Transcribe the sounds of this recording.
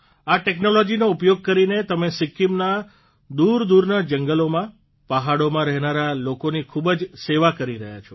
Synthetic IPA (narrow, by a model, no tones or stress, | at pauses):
aʈeknolod͡ʒinoupjoɡ̚kəɾinet̪əmesɪkːimna | d̪uɾd̪uɾnad͡ʒəŋɡəlomã | pəɦaɽomãɾɛɦnaɾalokonikʰubəd͡ʒseʋakəɾiɾəɦja̰t͡ʃʰɔ